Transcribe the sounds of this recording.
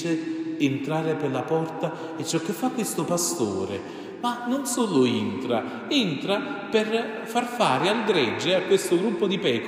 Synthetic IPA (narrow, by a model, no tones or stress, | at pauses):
t͡ʃɪːnt̪ɾaːɾɪpɪrlapɔrt̪a | ɛt͡ʃːɔkːɪfːakːwest̪ʊpast̪o̰ːɾḛ | manonsoːlʊint̪ɾa | int̪ɾapɪr | farfaːɾɪalɡ̪ɾɛd͡ʒːɪakwest̪ʊɡɾupːod̪ipɛːk